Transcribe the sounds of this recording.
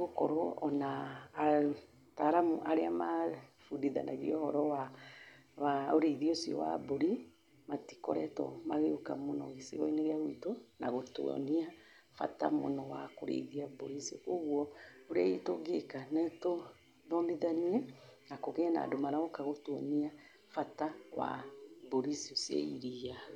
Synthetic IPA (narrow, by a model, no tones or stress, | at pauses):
ɣokɔɾoɔna | taɾamuʔaɾeamafundiða̰na̰ɣiɔhɔɾɔwa | waoɾeðiosiɔ̰wa̰boɾi | mati̥kɔɾɛtɔ̰maɣeokamonɔɣesiɣɔineɣeaɣwitonaɣoto̰ɔ̰nia | fa̰ta̰mo̰nɔwakoɾḛðiaboɾisiokoɣwɔoɾaitoɡekanɛto | ðɔniðaniɛnakoɣɛana̰domaɾaokaɣotwɔnia | fatawa̰boɾisiosiḛiɾia